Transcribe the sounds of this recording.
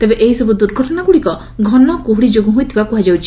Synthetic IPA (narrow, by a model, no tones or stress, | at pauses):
t̪ebeʔeɦisɔbud̪uɾɡʱɔʈɔnaɡuɽikɔ | ɡʱɔnɔkuɦuɽid͡ʒoɡuɦujt̪ʰibakuɦad͡ʒawt͡ʃʰi̥